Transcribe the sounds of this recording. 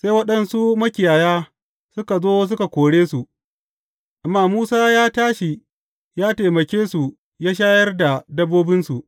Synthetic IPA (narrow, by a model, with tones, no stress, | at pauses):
seː˦jwɐ˦ɗɐ˨nsu˦mɐ˦kʲɪ˨jaː˨jaː˦ | sʊ˦ka˨zoː˦s̬ʊ˦ka˨kʷoː˨ɽeː˦su˨ʔ | ʔa˨mːaː˦muː˦saː˦jaː˦taː˦ʃi˨ | jaː˦teː˨mɐ˨kʲeː˦su˨ | jaː˦ʃ̬aː˦jɐ˦rda˨dɐ˦bːoː˦bɪ˦nsu˨ʔ